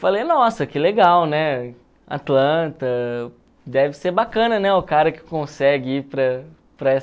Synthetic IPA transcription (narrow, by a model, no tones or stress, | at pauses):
falejnɔsɐkɪleɡawnɛ | a̰t̪lɐ̃t̪ɐ | d̪ɛvɪseɾbakɐ̃nɐnɛʊkaɾɐkɪ̥kõsɛɡɪipɾɐ | pɾɐɛ